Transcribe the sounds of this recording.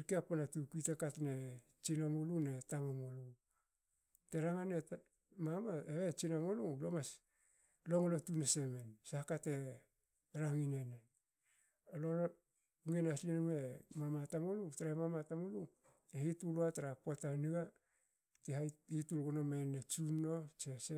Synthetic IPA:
ɾkeapanatukitakatne̞ | t͡ʃinamolune̞tamamolu | teɾaŋane | mamaeβet͡ʃinamolulomas | lo̞ŋolotunese̞mensahkate̞ | ɾaŋinene | oloo | ŋenaslinomemamatamolutaɾaemamatamolu | ehituluataɾapotaniɡa | tehahitulɡonomenet͡ʃunːo̞t͡ʃese

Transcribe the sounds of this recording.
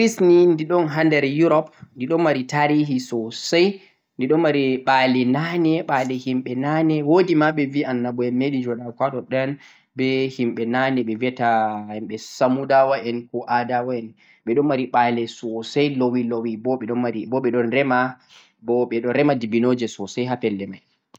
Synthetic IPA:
ɾisnindiɗɔnɦandɛɾjuɾɔp̚ndiɗɔnmaɾitaɾiɦisɔsaj | ndiɗɔnmaɾiɓalɛnanɛɓalɛhimɓɛnanɛwodimaɓɛvianːabɔɛmːeɗid͡ʒɔɗawkwaɗɔɗɛn | bɛhimɓɛnanɛɓɛviɛtaɛnɓɛsamudawaʔɛnkɔʔadawaɛn | ɓɛɗɔnmaɾiɓalɛsɔsajlowilowibɔɓɛɗɔnmaɾibɔɓɛɗɔnɾɛma | bɔɓɛɗɔnɾɛmadibinod͡ʒɛsɔsajɦafɛlːɛmaj

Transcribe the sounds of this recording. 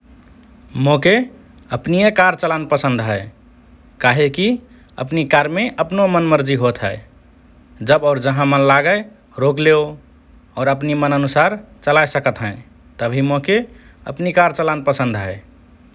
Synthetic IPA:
moke | əpnijekaɾt͡ʃəlanpəsə̃nd̪ʱɦəe | kaɦeki | ə̰pnikaɾmeʔəpnomənməɾd͡ʒiɦot̪ɦə̰j | d͡ʒəbɔːɾd͡ʒəɦãmənlaɡəj | ɾokleo | ɔːɾəpnimənənusaɾt͡ʃəlajsəkət̪ɦə̃ | t̪əbʱimokeə̰pnikaɾt͡ʃəlanpəsə̃nd̪ʱɦəɪ

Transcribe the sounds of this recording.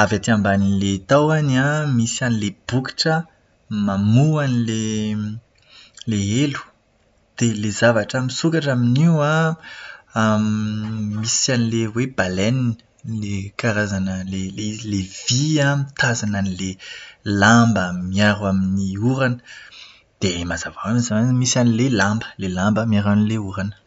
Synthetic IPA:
avat̪iambaninlet̪awanamisanileb̥uki̥ʈ͡ʂə | mamuanile | leelu̥ | d̪̥elezavaʈ͡ʂamisukaʈ͡ʂaminiwa | misanilewebalɛninə | lekaɾazanəlelelev̥iamit̪ʰazananilelambəmiaɾaminiuɾanə̥ | d̪̥emazavaamizamanimisanilelãmbə̥lelãmbəmiaɾanileuɾanə̥

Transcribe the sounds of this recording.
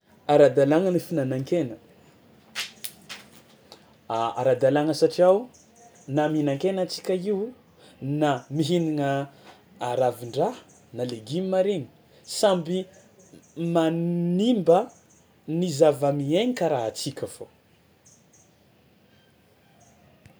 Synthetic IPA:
aɾad̪alaŋənifinanaŋkenə | aa̰ɾad̪alaŋəsaʈ͡ʂiaw | naminaŋkenat͡si̥kʲəiw | namiɦiniŋəː | ɾaviɳɖ͡ʐa | naleɡimimaɾini̥ | sambi | mannimbə | nizavəmieɲikaɾaɦat͡sikʲəfo

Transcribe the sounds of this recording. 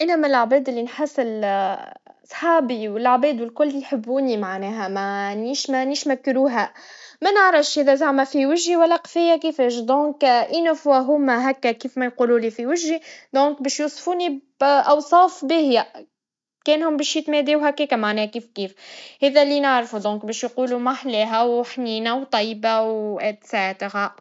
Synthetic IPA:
ʔɪnːæmælaʕbɛːd̪ɪlːinħasːɪl | sˤħɑːbiwɪlʕbɛːd̪wɪlkʊlːjħəbːuːnimaʕnɛːɦæmæniːʃmæniʃmækːɾuːɦæmænəʕɾɑfʃhɛːðæzaʕmæfiwɪʒːiwælːæqfɪjːakifɛːʃd̪õːŋkʔinæfwæɦʊmæɦækːækiːfmæjquːluːlifiwɪʒːid̪ɔ̃ːŋk̚bɛːʃjuːsˤfuːni | ʔɑwsˤɑːfbɪhjæ | kɛːnhʊmbɛːʃjɪt̪mɛd̪iːwɦækːɛːkæmaʕnɛːkiːfkiːfhɛːðælːinaʕɾfud̪ɔ̃ːkbɛːʃjquːlumaħlɛːɦæwħniːnawt̪ˤɑjːbawʔɛt̪sat̪ɪɣæ

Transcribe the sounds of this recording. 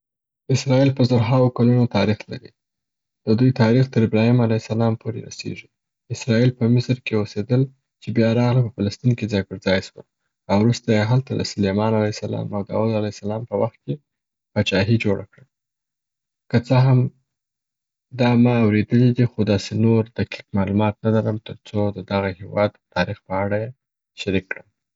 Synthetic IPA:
ɪsɾɑilpəzoɾɦawokalunot̪ɑɾixla̰ɾḭ | d̪̥əd̪ujt̪ɑɾixt̪əɾɪbɾɑhimalajsalɑmpʰoɾḛɾa̰sḛʐi | ɪsɾɑilpəmɪsɾkeosed̪əl | t͡ʃebjɑɾɑɣlapəfalast̪inked͡zaɡəɾd͡zɑjswə̰l | awɾust̪ajeɦalt̪ad̪ə̰sʊlemɑnalajsalɑ̰mawd̪ɑ̰ud̪alajsalɑmpəwaxt̪̚ke | pat͡ʃɑɦid͡ʒoɽʔa̰kɽə | kət͡səɦam | d̪ɑmɑawɾed̪əlid̪ixod̪ɑsenoɾd̪̥aqi̥kmɑlumɑt̪nalaɾəmt̪əɾt͡sod̪əd̪aɣahewɑd̪t̪ːɑɾixpəaɽaje | ʃaɾikːɽəm

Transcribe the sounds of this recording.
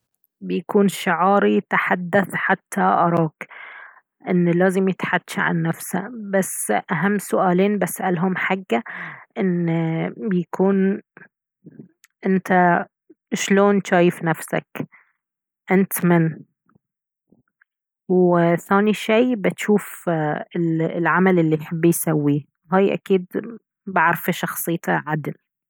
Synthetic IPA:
bɪjakuːnʃɪʕɑːɾit̪aħad̪ːaθħat̪ʰːaʔɑɾˤɑːk | ʔɪnːlaːzɪmjɪt̪ħad̪ːʃʕa̰nːafsa̰basːʔaɦamːsʊʔaːleːnbasʔalɦʊmħaɡːaʔɪn | bɪjakʰuːn | ʔɪnt̪a | ʃloːnʃaːjɪfnafsa̰k | ʔɪnt̪mɪn | wθaːniʃiːbɪt̪ʃuːfɪlʕamalʔɪlːijħɪbːijsawːi | ɦaːjʔa̰kiːd̪ | baʕɾfiʃɑxsˤɨjːt̪aʕad̪ɪl

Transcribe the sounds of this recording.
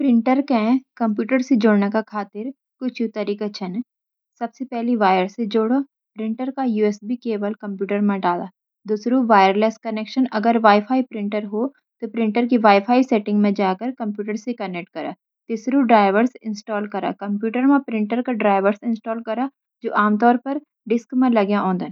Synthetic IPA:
pɾɪ̃ɳʈəɾkẽkɐmpjuːʈəɾsed͡ʒoːɽnakakʰaːt̪ɪɾ | kʊt͡ʃʰjut̪ɐɾiːkat͡ʃʰɐn | sɐbsepɛɦliʋaːjəɾsed͡ʒoːɽoː | pɾɪ̃ɳʈəɾkajuːesbikeːʋəlkɐ̃mpjuːʈəɾmãɖaːla̰ː | d̪ʊsɾuʋaːjəɾleːskɐneːkʃənɐɡəɾʋaːɪfʰaːipɾɪ̃ɳʈəɾɦo | t̪opɾɪ̃ɳʈəɾk̬iʋaːɪfaːiseːʈɪ̃ŋɡmẽd͡ʒaːkəɾkɐ̃mpjuːʈəɾsekɐnek̚ʈ̚kɐɾa̰ː | t̪ɪsɾuɖɾaːɪʋəɾsɪ̃nsʈɔːlkɐɾa̰ːkɐ̃mpjuːʈəɾmãpɾɪ̃ɳʈəɾkaɖɾaːɪʋəɾsɪ̃nsʈɔːlkɐɾa | d͡ʒoːʔaːmt̪ɔːɾpɐɾ | ɖɪskmẽlɐɡjãɔ̃ːnd̪ən

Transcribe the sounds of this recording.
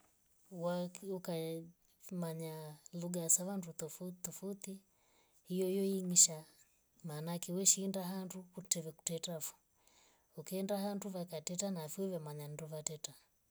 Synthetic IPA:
wakuka | maɲaluɡaasaβandut̪ɔfut̪ɔfut̪i | hijɔjɔiŋiʃa | maːnakɛwɛʃindaɦandukutɛvɛku̥tɛtafu̥ | ukiːndaɦanduvakatɛtanafiɛvamaɲanduvatɛta

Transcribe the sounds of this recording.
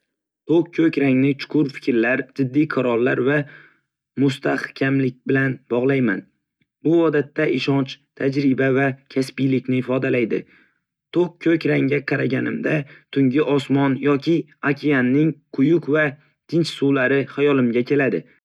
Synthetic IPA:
t̪ʰokkʰːɵkʲɾaŋnɪt͡ʃʰʊ̥qʰʊɾfɪ̥kʲɾlaɾd͡ʒɪd̪ːijqʰɑɾɒlˠːaɾva | mʊst̪ʰahkʲʰamlɪk̚ʲbɪlanbɒʁlˠajman | bʊɒd̪at̪ʰːaʔɪʃɒnt͡ʃt̪ʰad͡ʒɾɪbavakʲʰaspɪjlɪkʲnɪːfɒd̪alajd̪ɪ̰ | t̪ʰok̚kʰːɵkʲɾaŋɡʲaqʰɑɾaɡʲanɪmd̪at̪ʰʊŋɡʲɪʔɒsmɒnjɒkʲʰɪ | akʲʰijanːɪŋqʰʊjʊqva | t̪ʰɪnt͡ʃsuwlaɾɪhajɒlɪmɡʲakʲʰe̞lad̪ɪ

